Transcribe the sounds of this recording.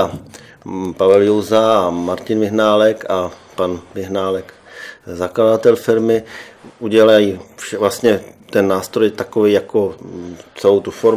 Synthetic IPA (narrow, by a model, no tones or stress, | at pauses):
a | pavɛljowzamaɾcɪnvɪɦnaːlɛkapanvɪɦnaːlɛk | zaklad̪at̪ɛlfɪɾmɪʔuɟɛlajifʃɛvlast̪ɲɛt̪ɛnːaːst̪ɾo̞jt̪akovejjako̞t͡sɛlowt̪ufoɾ